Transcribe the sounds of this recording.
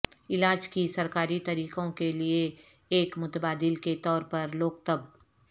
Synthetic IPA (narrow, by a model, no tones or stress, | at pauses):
ɪlaːd͡ʒkisɐɾkaːɾit̪ɐɾiːqõkelieː | kmʊt̪baːd̪ɪlket̪ɔːɾpɐɾloːk̚t̪əb̚